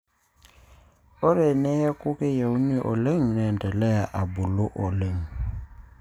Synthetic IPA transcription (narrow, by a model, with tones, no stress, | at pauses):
o˦ɾɛ˨nɛ˦ɛ˦kʊ˦ke˦ja˨u˦ni˦ʔɔ̰˨le˦ŋ̩˨nɛ˨n˨tʼɛ˨lɛ˦ja˨ʔa˨bʊ˨lo˦ʔɔ˨le˦ŋ̩˨